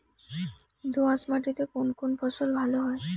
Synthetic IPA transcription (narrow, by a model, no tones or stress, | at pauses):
d̪uãsmaʈit̪ekonkonpʰɔsolbʱaloɦɔe